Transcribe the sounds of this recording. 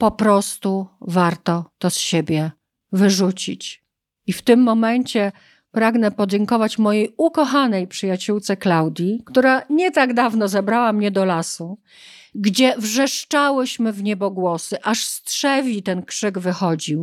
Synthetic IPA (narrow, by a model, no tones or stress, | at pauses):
pɔpɾɔst̪uvaɾt̪ɔt̪ɔsɕebʲjɛ | vɘʐut͡ɕit͡ɕ | ift̪ɘmːɔmɛɲt͡ɕɛ | pɾaɡnɛpɔd͡ʑɛŋkɔvat͡ɕmɔjejukɔxanɛjpʂɘjat͡ɕuwt̪sɛklawd̪ʲjikt̪uɾaɲɛt̪aɡd̪avnɔzɛbɾawamɲɛd̪ɔlasu | ɡd͡ʑɛvʐɛʂt͡ʂawɘɕmɘvɲɛbɔɡwɔsɘʔaʂstʂɛvʲit̪ɛnkʂɘɡvɘxɔd͡ʑiw